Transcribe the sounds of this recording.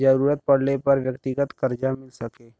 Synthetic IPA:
d͡ʒəɾuːɾət̪̚pɐɽ̤lepɐɾʋjəkt̪ɪɡət̪kəɾd͡ʒamɪlsɐkeː

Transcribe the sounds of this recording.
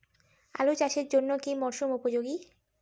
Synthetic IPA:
a̰lot͡ɕaʃeɾd͡ʑonːokimɔɾʃumupod͡ʑoɡi

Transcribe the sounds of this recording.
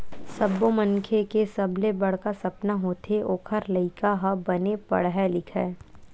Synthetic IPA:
sɐbːomɐ̃ŋkʰekesɐblebɐɽ̤kasɐpnaɦoːt̪ʰeʔoːkʰəɾlɐɪkaɦɐbɐnepɐ̰ɽɦɛlɪkʰɛː

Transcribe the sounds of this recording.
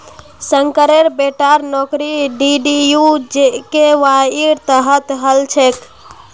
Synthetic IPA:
səŋkəɾeɾbeʈaɾnɔkɾiɖiɖijud͡ʒekeʋaiɾt̪əɦət̪ɦəlt͡ʃʰek

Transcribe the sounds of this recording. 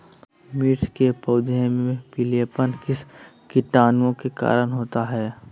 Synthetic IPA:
miːʈkepəʊd̪ẽmẽpileːpənkɪskɪʈaːnõkeka̰ːɾənɦoːt̪aɦɛː

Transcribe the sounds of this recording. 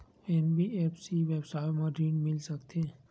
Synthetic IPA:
enbieːpsiʋeːbsaːɪmãɖiːɳmɪlsɐkt̪e

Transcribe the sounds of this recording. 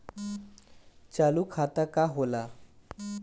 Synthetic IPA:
t͡ɕaluːkʰat̪akaɦola

